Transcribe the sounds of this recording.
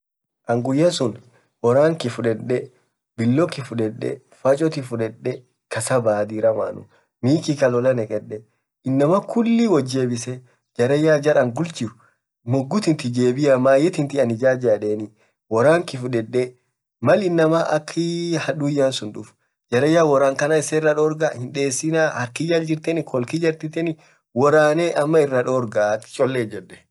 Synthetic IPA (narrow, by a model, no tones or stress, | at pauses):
ʔɐŋɡʊjːɐsʊn | wɔɾaːŋkɪfʊᶑɛᶑɛ | bɪlːɔkːɪfʊᶑɛᶑːɛ̰ | fɐt͡ʃʼɔt̪ɪfʊᶑɛᶑːɛ | kɐsɐbaːd̪iɾɐma̰ːnʊ̰ | miːkɪkɐlɔlɐnɛkʼɛᶑɛ | ɪnːɐmɐkʰʊlːɪwɔd͡ʒːeːbɪsɛ | d͡ʒɐɾɐjːaːd͡ʒɐɾɐŋɡʊlt͡ʃɪʊ | mʊɡːʊt̪ɪnt̪ɪd͡ʒeːbɪjamaːjɛt̪ɪnt̪ɪɐnɪd͡ʒaːd͡ʒaːᶑeːnɪ | wɔɾaːŋkɪfʊᶑɛᶑːɛ | mɐlɪnːɐmaʔɐkʰːɪhɐᶑuːjːaːnsʊnᶑʊf | d͡ʒɐɾɐjːaːwɔɾaːŋkɐnaɪsɛɪrːɐᶑɔːɾɡahɪnᶑe̞ːsːɪnaːhɐɾkɪd͡ʒald͡ʒɪɾt̪ɛnɪkʰɔlkɪd͡ʒɐɾt̪ɪt̪ɛnɪ | wɔɾaːneʔɐmːɐɪrːɐᶑoːɾɡaɐkːɪ̥t͡ʃʼɔlːeːd͡ʒɛᶑːɛ̥